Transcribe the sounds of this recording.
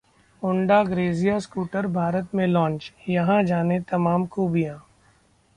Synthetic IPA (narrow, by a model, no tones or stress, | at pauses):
ʊ̃ɳɖaɡɾeːzijaskuːʈəɾbʱaːɾət̪mẽlɔ̃ːnt͡ʃjɐɦãd͡ʒaːnet̪ɐmaːmkuːbijãː